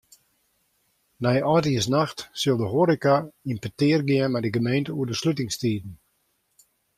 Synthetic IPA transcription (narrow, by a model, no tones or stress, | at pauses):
nɛjʔɔtiəs̬naxtsɪlˠdəɦoːɾikaimpətɪərɡɪənmɛjdəɡəmejntəuədəslut̬ɪŋstiːdn̩